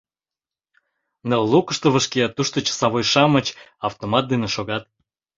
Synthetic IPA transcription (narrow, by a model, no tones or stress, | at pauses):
nəllukəʃt̪ŏβə̆ʃkeɑt̪ːuʃt̪ot͡ɕə̥sɑβojʃɑmət͡ɕɑft̪omɑt̪̚d̪eneʃoɣɑt̪̚